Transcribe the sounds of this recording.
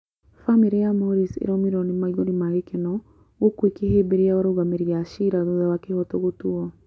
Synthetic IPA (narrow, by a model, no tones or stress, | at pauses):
famiɾejamoɾisḛɾɔmiɾɔnimaiɣonimaɣekenɔ | ɣokwekehebeɾiaoɾoɣameɾiaʃiɾaðuðawakehɔtoɣotuɔ